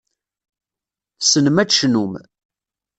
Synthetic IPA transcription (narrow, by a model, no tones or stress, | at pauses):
sənəmæʃnum